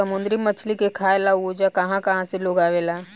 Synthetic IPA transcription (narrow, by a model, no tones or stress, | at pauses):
ɐmʊ̃nd̪ɾimət͡ʃʰlikekʰaːelaod͡ʒakɐɦãkɐɦãseloːɡaːʋelaː